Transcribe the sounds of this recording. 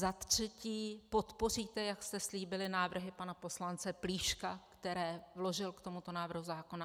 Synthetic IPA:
at̪r̝̥ɛciːpo̞t̪po̞riːt̪ɛjakst̪ɛsliːbɪlɪnaːvr̩ɦɪpanapo̞slant͡sɛpliːʃkakt̪ɛɾɛːvlo̞ʒɪlkt̪o̞mut̪o̞naːvr̩ɦuzaːko̞na

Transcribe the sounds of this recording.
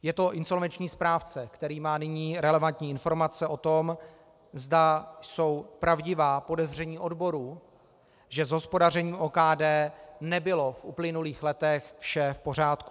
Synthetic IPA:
jɛt̪o̞ʔɪnso̞lvɛnt͡ʃɲiːspɾaːft͡sɛkt̪ɛɾiːmaːnɪɲiːɾɛlɛvant̪ɲiːɪnfo̞ɾmat͡sɛʔo̞t̪o̞m | zdaso̞wpɾʔavɟɪvaːpo̞dɛzr̝ɛɲiːʔo̞dbo̞ɾuː | ʒɛzɦo̞spo̞dar̝ɛɲiːmʔoːkaːdɛːnɛbɪlo̞fʔuplɪnuliːxlɛt̪ɛxfʃɛfpo̞r̝aːt̪ku̥

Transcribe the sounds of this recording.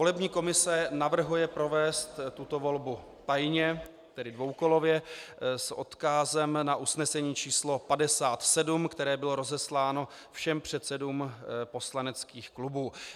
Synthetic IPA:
volɛbɲiːko̞mɪsɛnavr̩ɦujɛpɾo̞vɛːst̪ːut̪o̞vo̞lbu | t̪ajɲɛ | t̪ɛdɪdvo̞wko̞lo̞vjɛsʔo̞̰t̪kazɛmnaʔusnɛsɛɲiːt͡ʃiːslo̞padɛsaːt̪sɛdumkt̪ɛɾɛːbɪlo̞ɾozɛslaːno̞ | fʃɛmpr̝̥ɛt̪sɛduːmpo̞slanɛt͡skiːxklubuː

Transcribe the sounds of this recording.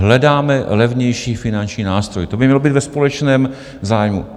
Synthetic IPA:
ɦlɛdaːmɛlɛvɲɛjʃiːfɪnant͡ʃɲiːnaːst̪ɾojɪt̪o̞bɪmɲɛlobiːt̪vɛspolɛt͡ʃnɛːm | zaːjmṵ

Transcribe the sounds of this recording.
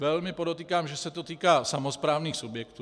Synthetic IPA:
vɛlmɪpodot̪iːkaːmʒɛsɛt̪ot̪iːkaːsamospɾaːvniːxsubjɛkt̪u

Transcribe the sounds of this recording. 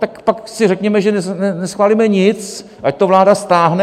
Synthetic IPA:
t̪akpaksɪrɛkɲɛmɛʒɛnɛnɛnɛsxvaːlimɛɲɪt͡s | ʔac̚t̪ovlaːdast̪aːɦnɛ

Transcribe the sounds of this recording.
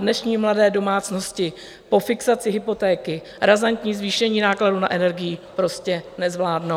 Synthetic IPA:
dnɛʃɲiːmladɛːdo̞maːt͡sno̞scɪ | po̞fɪksat͡sɪɦɪpo̞t̪ɛːkɪ | ɾazant̪ɲiːzviːʃɛɲiːnaːkladuna̰ʔɛnɛɾɡɪjɪpɾo̞scɛnɛzvlaːdno

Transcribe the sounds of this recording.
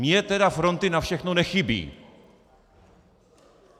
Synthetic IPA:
mɲɛt̪ɛd̪afɾɔnt̪ɪnafɕɛxnɔnɛxibʲḭ

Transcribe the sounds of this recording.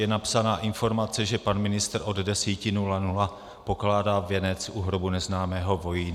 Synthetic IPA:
ɛnapsanaːʔɪnfo̞ɾmat͡sɛʒɛpanmɪnɪst̪rʔo̞ddɛsiːcɪnulanula | po̞klaːdaːvjɛnɛt͡sʔuɦɾobunɛznaːmɛːɦo̞vo̞ji

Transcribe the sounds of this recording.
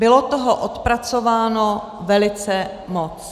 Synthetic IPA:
bɪlot̪oɦoʔot̪pɾat͡sovaːno | vɛlɪt͡sɛ | mot͡s

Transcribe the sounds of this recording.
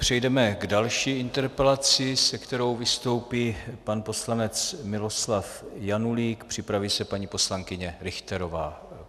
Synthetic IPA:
pr̥ɛjdɛmɛɡdalʃiːʔɪnt̪ɛɾpɛlat͡sɪsɛkt̪ɛɾo̞wvɪst̪o̞wpiːpanpo̞slanɛt͡smɪlo̞slafjanuliːkpr̝̥ɪpɾaviːsɛpaɲipo̞slaŋkɪɲɛɾɪxt̪ɛɾo̞vaː

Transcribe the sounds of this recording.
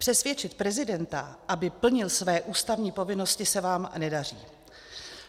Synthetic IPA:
pr̥ɛsvjɛt͡ʃɪt̪̚pɾɛzɪdɛnt̪aʔabɪpl̩ɲɪlsvɛːʔuːst̪avɲiːpo̞vɪno̞scɪsɛvaːmnɛdar̝iː

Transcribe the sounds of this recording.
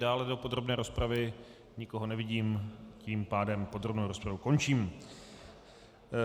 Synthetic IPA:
daːlɛdo̞po̞d̪ɾo̞bnɛːɾo̞spɾavɪ | ɲɪko̞ɦo̞nɛvɪɟiːmciːmpaːdɛmpo̞d̪ɾobnowɾospɾavuko̞nt͡ʃiːm

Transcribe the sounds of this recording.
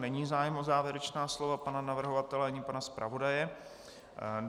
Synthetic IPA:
nɛɲiːzaːjɛmozaːvjɛɾɛt͡ʃnaːslovapananavr̩ɦovat̪ɛlɛɲɪpanaspɾʔa̰vo̞dajɛ

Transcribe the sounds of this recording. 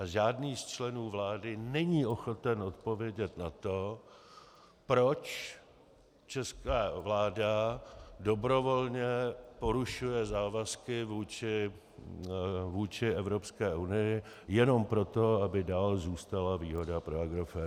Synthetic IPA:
ʔaʒaːdniːst͡ʃlɛnuːvlaːdɪnɛɲiːʔo̞xo̞t̪ɛnʔo̞t̪po̞vjɛɟɛt̪nat̪o̞ | pɾo̞t͡ʃ | t͡ʃɛskaːvlaːdado̞bɾo̞vo̞lɲɛpo̞ɾuʃujɛzaːvaskɪvuːt͡ʃɪ | vuːt͡ʃɪɛvɾo̞pskɛːʔunɪjɪ | jɛno̞mpɾo̞t̪o̞abɪdaːlzuːst̪alaviːɦo̞dapɾoaɡɾofɛ

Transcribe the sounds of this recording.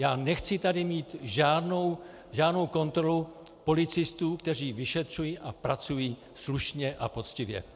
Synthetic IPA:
jaːnɛxt͡sɪt̪adɪmiːt̪ʒaːdnow | ʒaːdno̞wko̞nt̪ɾo̞lu | po̞lɪt͡sɪst̪uːk̚t̪ɛr̝iːvɪʃɛt̪r̝̥ujiːʔapɾat͡sujiː | sluʃɲɛʔapo̞t͡scɪvjɛ̰

